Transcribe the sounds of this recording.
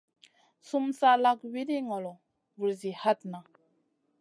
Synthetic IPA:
su˦msa˦la˦kwi˦ɾi˦ŋɔ˨lɔ˨ | vu˨ɾzi˨ha˦t̪na˨

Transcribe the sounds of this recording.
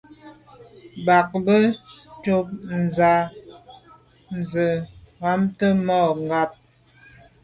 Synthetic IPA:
ba˨k̚bə˦to˦p̚n̩˨za˨ | n̩˨zə˨ɣa˨˦mtə˦mɔ˦˨ŋ˨ɡa˦˨p̚

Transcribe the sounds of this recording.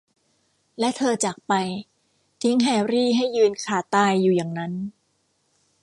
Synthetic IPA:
lɛ˦˥t̪ʰɤː˧t͡ɕa˨˩k̚pa˧j | t̪ʰi˦˥ŋɦɛː˧˩ɾiː˥˩ɦa˥˩jːɯː˧nkʰaː˨˩t̪aː˧jːuː˨˩ja˨˩ŋna˦˥n

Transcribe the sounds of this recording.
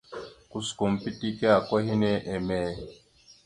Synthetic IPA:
ku˦sko˨m̩˨pi˦ti˦ke˦a˨kwɔ˦hi˦ne˦ʔe˨mɛ˨

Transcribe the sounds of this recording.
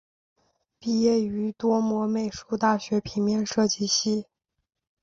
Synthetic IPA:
pi˥˧jɛ˥˩y˧˥t̪wɔ˥mwɔ˧˥me˨˩ɪʂu˥˧t̪a˥˩ɕɥɛ˧˥pʰi˧˥ŋmjɛ˥˧nʂɤ˥˧t͡ɕi˥˧ɕi˥˩

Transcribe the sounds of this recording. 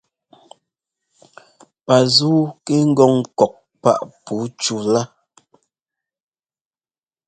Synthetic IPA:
pa˨zuː˦ke˦ŋ̩˦ɡɔ˦˨ŋkɔ˨k̚ | pa̰˦ʔpu˨˦t͡ʃu˦la˦

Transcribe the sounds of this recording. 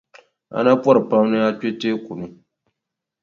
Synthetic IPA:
a̰˨na˦pɔ˦ɾɨ˨pa˦mnɨ˦a˦t͡ʃe˦teː˦ku˨nɨ˦

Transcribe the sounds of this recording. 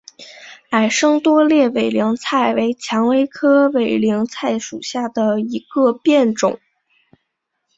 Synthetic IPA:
a˨˩ɪʂɤ˥ŋt̪wɔ˥ljɛ˥˩we˨˩ɪli˧˥ŋt͡sʰa˥˩ɪwe˧˥ɪt͡ɕʰjɑ˧˥ŋwe˥ɪkʰɤ˥we˧˩ɪli˧˥ŋt͡sʰa˥˩ɪʂu˨˩ɕja˥˩d̪ə˩i˧˥ɡ̥ə˧pjɛ˥˩nʈ͡ʂʊ˨˩˦ŋ

